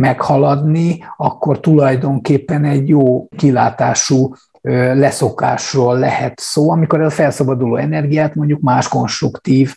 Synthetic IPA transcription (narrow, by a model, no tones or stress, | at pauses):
mɛkhɒlɒd̪niɒkːo̞rt̪ulɒjd̪o̞ŋkeːpːɛnɛɟjoːkilaːt̪aːʃuː | ølɛso̞ka̰ːʃroːlːɛhɛt̪soːɒmiko̞ɾɛzɒfɛlsɒbɒd̪ulo̰ːɛnɛrɡijaːt̪mo̞ɲɟukmaːʃko̞nʃt̪rukt̪iːv